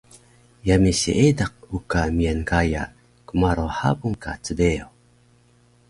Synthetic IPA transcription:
jamisḭʔedaq̚ukamiankaja̰ | kumaɾoħa̰buŋkʰa̰t͡səbeo

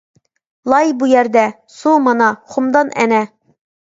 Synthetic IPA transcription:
lˠɑjbujæɾd̪æ | sumɑnɑχumd̪ɑnʔæ̰næ

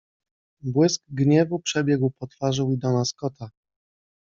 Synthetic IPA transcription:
bwɘskɡɲɛvupʂɛbʲjɛɡwpɔt̪faʐɛwid̪ɔnaskɔt̪a

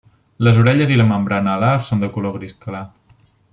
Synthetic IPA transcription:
ləzuɾɛʎəziləməmbɾanəːlasond̪əkuloɣɾiskəla

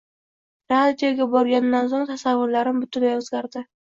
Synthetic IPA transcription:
ɾad̪ijoɡʲabɒɾɡʲanːansoŋt̪ʰasavːʊɾlaɾɪmbʊt̪ʰʊnajɒzɡʲaɾd̪ɪ

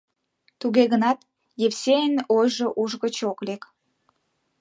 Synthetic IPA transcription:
t̪uɣeɣənɑt̪ | jeβsʲeənojʒoʔuʒɣət͡ɕoklek

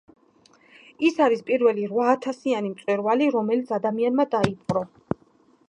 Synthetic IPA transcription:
isaɾispʼiɾvɛliɾvaːt̪ʰasianimt̪sʼwɛɾvaliɾɔmɛlit̪sʰad̪amianmad̪aip̚ʰʼqʼɾɔ

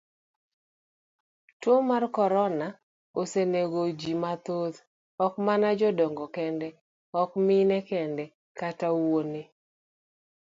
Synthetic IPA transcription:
tomarkɔɾɔna | oseneɡod͡ʒimat̪ot̪ | ɔkmanad͡ʒɔdɔŋɡɔkɛndɛ | ɔkminɛkɛndɛ | katawwone

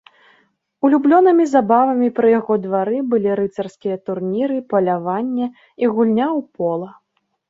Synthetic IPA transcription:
ulʲublʲɔnɨmʲizabavɐmʲipɾɨjaɣɔd̪vaɾɨbɨlʲiɾɨt̪sɐrskʲijɐt̪urnʲiɾɨpɐlʲavanʲːɛ | iɣulʲnʲawpɔlˠɐ

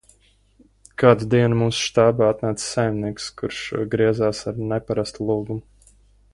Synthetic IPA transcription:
kaːd̪ud̪iɛnmuːsʃt̪aːbaːat̪̚naːt̪ssajmniɛkskuɾʃɡɾiɛzaːsaɾnɛpaɾast̪ulˠuːɡum

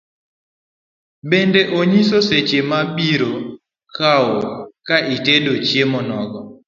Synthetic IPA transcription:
ɓendɛʔoɲisoset͡ʃemaɓiɾo | kʰawokaʔitedot͡ʃemɔnɔɡɔ

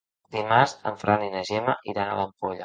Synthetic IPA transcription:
d̪imaɾzə̰ɱfɾʔaninəʒemaʔiðana̰ləmpoʎa

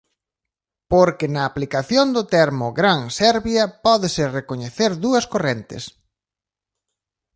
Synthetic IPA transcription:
poɾkɪnɐːplikaθjond̪ʊt̪ɛɾmʊɡɾaŋsɛɾβjɐpɔðɪsɪrekoɲeθeɾðuɐskorent̪ɪ̰s

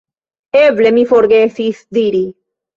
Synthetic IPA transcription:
evlemifoɾɡeθiθd̪iɾi

